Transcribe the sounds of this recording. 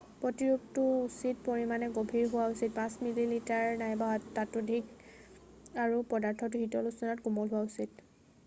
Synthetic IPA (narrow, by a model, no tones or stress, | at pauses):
pɹɔtiɹup̚tʊusit̚poɹimanɛɡobʱiɹɦʊwausit̚pãsmililitaɹnajbatatudʱik | aɹupɔdaɹtʰɔt̬ʊɦitɔlusɔnatkumɔlɦʊwausit